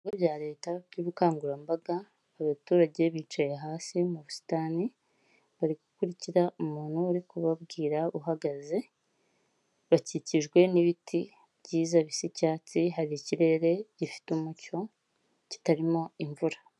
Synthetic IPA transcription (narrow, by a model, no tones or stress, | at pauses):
iɡoβɟaːɾe̞ːtaβɟuβukaːŋɡuɾambaɡaː | βatuːɾaɟe̞βiːt͡ʃaje̞ɦaːsimuβusi̥taːni | βaɾiɡukuɾiciɾaumuːn̥huaɾikuβabɡiːɾauɦaɡaze̞ | βaciciʒɡwe̞niβitʰi | βɟiːzaβisicaːt͡siɦaɾiciɾe̞ɾe̞ɟ̥ifi̥tumuco̞ | ci̥taɾimo̞iɱvuɾḁ